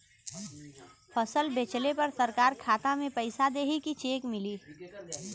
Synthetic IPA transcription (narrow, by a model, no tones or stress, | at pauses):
pʰəsəlbeːt͡ʃlepɐɾsəɾkaːɾkʰaːt̪amẽpəɪsad̪eːɦikit͡ʃeːkmɪliː